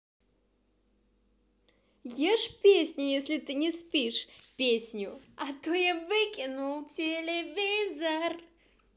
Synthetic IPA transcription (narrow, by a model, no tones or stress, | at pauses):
jeʂpʲesʲnʲʊjesʲlʲɪt̪ɨnʲɪspʲiʂpʲesʲnʲʊɐt̪ojavɨkʲɪnulˠtʲelʲevʲizər